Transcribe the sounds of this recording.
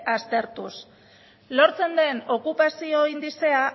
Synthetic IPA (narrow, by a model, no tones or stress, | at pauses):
ast̪e̞ɾt̪us | lo̞ɾt͡se̞nd̪e̞no̞kupasioind̪ise̞a